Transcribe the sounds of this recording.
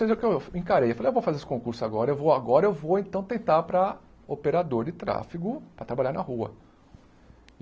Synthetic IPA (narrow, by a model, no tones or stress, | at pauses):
sejzewkewẽkaɾejewfalejewvowfazeɾesɪ̥kõkuɾsʊaɡɔɾɐewvowaɡɔɾɐewvowẽnt̪ɐ̃w̃t̪ẽnt̪aɾpɾɐ | opeɾad̪oɾd͡ʒɪt̪ɾa̰fiɡʊpɾɐt̪ɾabaʎaɾnɐhuɐ̰